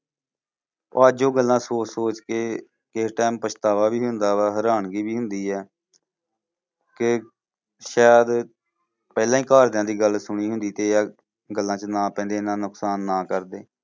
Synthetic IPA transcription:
oːd͡ʒoːɡəlːãːsoːt͡ʃsoːt͡ʃkeː | keʈɛːmpət͡ʃʰt̪aːʋaːbiːɦʊnd̪aːʋaːɦəɾaːɳɡiːbiːɦʊnd̪iːɛː | kɪ | ʃaːd̪ | pɛːlãːĩːkaːɾd̪jãːd̪iːɡəlsʊɽ̃iːɦʊ̃nd̪iːt̪eːaː | ɡəlːãːt͡ʃənãːpɛ̃ːnd̪eːnãːnʊksaːnːaːkəɾd̪eː

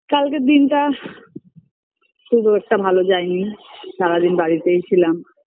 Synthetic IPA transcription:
kalked̪inʈa | ʃud̪ʱuɛk̚ʈabʱalod͡ʑajniʃaɾad̪inbaɽit̪ejt͡ɕʰilam

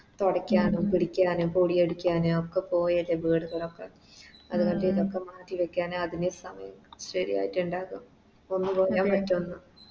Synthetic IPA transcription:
t̪oɽɐkʲːaːnumpiɽikʲːaːnumpuːɽijeɽukʲːaːnookːe̞po̞ːjɐleʋiːɽuɣɐɭo̞kːḛ | ɐðukɐɳɖɨiðo̞kːe̞maːʈːiʋekʲːaːnoɐðinesɐmɐjɐmɕɐɾḭja̰ːjitːuɳɖaːkum | o̞nːupoːjaːmɐtːuonːu

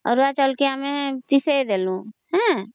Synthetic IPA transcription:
ɔ̰ɾat͡ʃəlkiamɛ̃pised̪eːlũhɛ̃

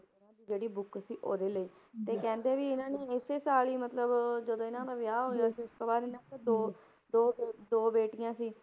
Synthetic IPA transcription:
nãːd̪iːd͡ʒeːɽiːbʊksiːʔo̰ːd̪eːləiː | t̪eːkɛ̃ːnd̪eːʋiːɪnãːneːɪseːsaːliːmət̪ləbd͡ʒəd̪õːɪnãːnaːʋɪjaːɦoːjaːsiːʊskabaːɾɪnãːted̪oː | d̪oːd̪oːbeːʈɪjãːsiː

